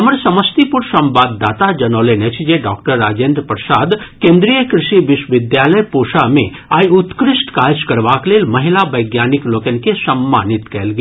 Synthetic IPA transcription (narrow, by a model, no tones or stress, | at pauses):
ɦəməɾsɐməst̪ipuɾsɐ̃mbaːd̪ːaːt̪ad͡ʒɐnoːlenet͡ʃʰd͡ʒeɖɔːkʈəɾːaːd͡ʒẽnd̪ɾpɾəsaːd̪kẽːnd̪ɾijəkɾɪʃiʋɪʃʋɪd̪jaləjpoʃamḛ̃ | aːjut̪kɾɪʃʈkaːɾskɐɾʋakleːlmɐɦilaʋəjɡjanikloːkənkesɐmːa̰ːnit̪kɛlɡe